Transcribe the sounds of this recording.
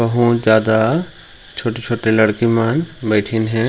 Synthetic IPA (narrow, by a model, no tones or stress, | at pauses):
ɐɦũd͡ʒjaːd̪a | t͡ʃʰoːʈet͡ʃʰoːʈelɐɽkimanbɛːʈʰinɦɛ̃ː